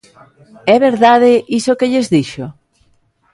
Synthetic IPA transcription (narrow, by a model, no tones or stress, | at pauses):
ɛβeɾðaðeʔisokeʎezðiʃo